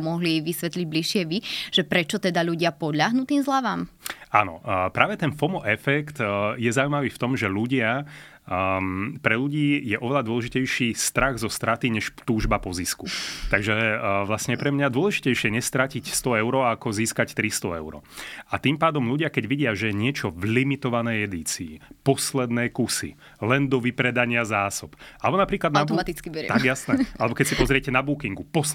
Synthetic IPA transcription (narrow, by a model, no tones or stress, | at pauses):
mɔɦliʋisʋɛt̪liɟ̚bliʃɪɛʋiʒ̥ɛpɾɛt͡ʃɔt̪ɛd̪aʎuɟɪapɔd̪ʎaɦnut̪iːmzlaʋaːmanɔ̰pɾaːʋɛt̪ɛnfɔmɔʔɛfɛkt̪jɛzaʊuimaʋiːft̪ɔmʒɛluɟɪa | pɾɛluɟiːjɛʔɔʋɛlad̪ʊɔlɛʒicɛjʃiːst̪ɾaɣzɔst̪ɾat̪iɲɛʃt̪uːʒbapɔziskut̪aɡʒɛʋlasɲɛpɾɛmɲad̪ʊɔlɛʒicɛjʃɪɛɲɛst̪ɾacicst̪ɔɛʊɾɔːakɔziːskact̪ɾist̪ɔɛʊɾɔ̰at̪iːmpaːd̪ɔmluɟɪakɛɟʋiɟɪaʒɛjɛɲɪɛt͡ʃɔvlimit̪ɔʋanɛjɛd̪iːt͡siːpɔslɛd̪nɛːkusḭ | lɛnd̪ɔʋipɾɛd̪aɲɪazaːsɔpʔalɛbɔnapɾiːklad̪nabt̪it͡skibɛt̪aɡjasnɛʔalɛbɔkɛcsipɔzɾɪɛcɛnabuːkiŋɡupɔs